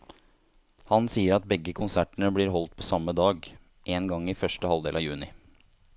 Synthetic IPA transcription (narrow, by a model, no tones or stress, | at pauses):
hɑnsiːəɾɑt̪̚bɛɡːəkʰʊnsæʈɳəbɽiːɾɦɔlt̪̚pʰɔsɑmːəd̪ɑːɡ | ʔeːnɡɑŋːɪfœʂʈəhɑld̪eːlɑjʉːnɪ̰